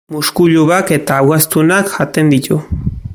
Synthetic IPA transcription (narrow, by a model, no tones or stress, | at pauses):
muskuʎuβake̞t̪aːwɣast̪unakxat̪e̞nd̪it̪u